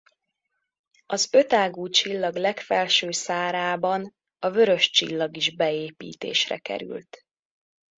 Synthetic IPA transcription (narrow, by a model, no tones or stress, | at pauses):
ɒzøt̪aːɡuːt͡ʃilːɒɡlɛkfɛlʃøːsaːɾaːbɒn | ɒvø̞ɾø̞ʃt͡ʃḭlːɒɡiʒbɛeːpḭːt̪ḛːʃrɛ̰kɛ̰ɾy̰lt̪